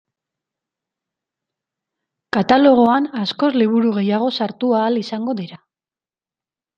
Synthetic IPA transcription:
kat̪alo̞ɣ̞o̞anasko̞zliβ̞uɾuɣe̞jaɣ̞o̞saɾt̪uaːlisaŋɡo̞ðiɾa

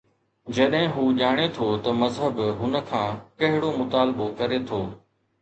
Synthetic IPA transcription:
d͡ʒɐɗɦɪ̃ɦuːʄaːɽ̃et̪ʰot̪ɐmɐzɦəbɦʊnə̆kʰãːkɐɦɪɽomʊt̪aːlɓokɐɾet̪ʰoː

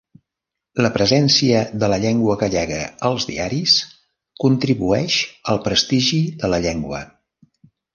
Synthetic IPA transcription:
ləpɾəzɛnsiəðələʎɛŋɡwəɣəʎɛɣəəlˠzðḭaɾis | kunt̪ɾiβuɛʃəlˠpɾəst̪iʒiðələʎeŋɡwə̰

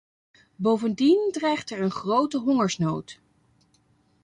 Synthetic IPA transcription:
bowvəndindrɛjχtɛɹənχrowtəɦɔŋəɹsnowt

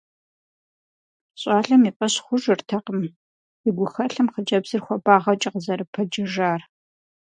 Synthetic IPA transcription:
ɕʼaːɬɐmiːpʼɐɕχʷʊʒɨrtʰɐqəm | ɪɡʷʊxɐɬɐmqəd͡ʒɐbzɨrxʷɔbaːʁɐt͡ʃʼɐqəzɐɾɨpʰɐd͡ʒɪʒaːr

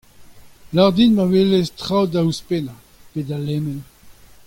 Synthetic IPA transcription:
laʁdinmavelestʁawdauspena | pedalɛmɛn

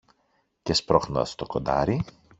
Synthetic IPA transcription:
cespɾoxnost̪okod̪ɐ̰ɾi

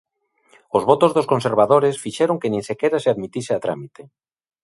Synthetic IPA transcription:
ozβot̪ozðoskonseɾβaðoɾesfiʃeɾoŋkenĩŋsekeɾaseaðmit̪iseat̪ɾa̰mit̪e

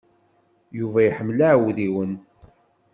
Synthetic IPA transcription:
juvæjħəmːlaʕwðiwən

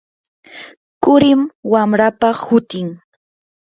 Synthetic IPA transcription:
kʊɾɪmwamɾapahʊt̪ɪŋ

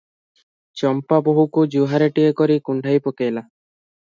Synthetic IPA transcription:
t͡ʃɔmpaboɦukud͡ʒuɦaɾeʈiekɔɾikuɳɖʱajpokejla

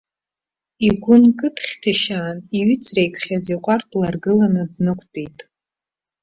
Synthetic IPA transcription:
iɡʷʊnkʼɨtʰχʲtʰɨʃaːniɥʏt͡sʰrejkʷʰχʲaziqʷʼarblarɡɨlanɨdnɨkʷʼʰpʼijtʼ

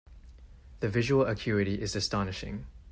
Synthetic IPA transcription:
ðəvɪʒəwəlˠəkʰj̥uːɹɪɾiʔɪzəstɒnɪʃɪ̰̃ŋ

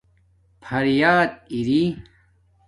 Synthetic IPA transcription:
pʰɐɾjaːd̪̚iɾi

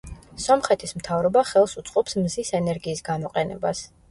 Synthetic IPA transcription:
sɔmχɛt̪ʰismt̪ʰavɾɔbaχɛlˠsut̪sʼqʼɔpsmzisɛnɛɾɡiːsɡamɔqʼɛnɛ̰bas

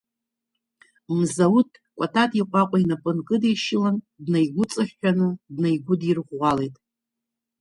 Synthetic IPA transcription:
mzawutʰʼ | kʷʼatʰatʼiqʷʼakʷʼainapʼɨnkʼɨdejʃɪlan | dnajɡʷʊt͡sʼaχːᶣanɨdnajɡʷʊdirʁʷalejtʼ

